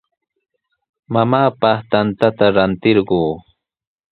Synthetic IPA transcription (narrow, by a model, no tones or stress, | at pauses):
mamaːpɑχt̪ant̪at̪aɾant̪ɪɾɢuː